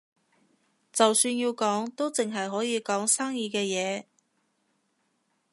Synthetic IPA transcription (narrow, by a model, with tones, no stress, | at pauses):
t͡sɐ˨wsyː˧njiː˧wkɔː˨˥ŋt̪o˥wt͡sɪ˨ŋɦɐ˨jɦɔː˨˥jiː˨˧kɔː˨˥ŋsaː˥ŋjiː˧kɛː˧jɛː˨˧